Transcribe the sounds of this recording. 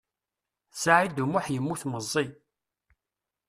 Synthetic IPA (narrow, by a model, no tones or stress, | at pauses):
saʕid̪umʊħjəmːuθməzˤːi